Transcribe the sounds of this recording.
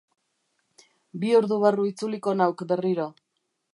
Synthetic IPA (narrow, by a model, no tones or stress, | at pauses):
bioɾðuβaruit͡suliko̞nawkbe̞riɾo